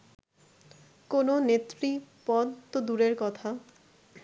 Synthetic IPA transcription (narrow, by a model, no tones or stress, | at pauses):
kononet̪ːɾipɔd̪t̪od̪uɾeɾkɔt̪ʰa